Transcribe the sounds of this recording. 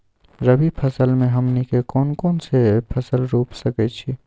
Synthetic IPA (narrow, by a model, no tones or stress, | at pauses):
ɾəbʱipʰəsəlmẽɦəmnikekɔːnkɔːnsepʰəsəlɾuːpsəkɛt͡ʃʰi